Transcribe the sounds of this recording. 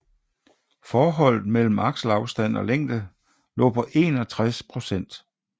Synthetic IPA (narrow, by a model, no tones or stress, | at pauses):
fɒːɦɒ̽l̰ð̩ˠmel̰m̩ɑ̈ɡ̥ɕl̩ɑ̈ʊsd̥æn̰ɒ̽leŋ̰d̥ə | lɔ̰̽ːpʰɒ̽ʔe̝ːnɒ̽t͡sʰʁaspʰʁo̝sen̰d̥